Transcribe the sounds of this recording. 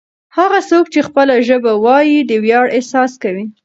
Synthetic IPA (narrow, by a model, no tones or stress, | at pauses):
haɣasok̚t͡ʃexpəlaʒəbawɑjid̪əwjɑɽesɑskawi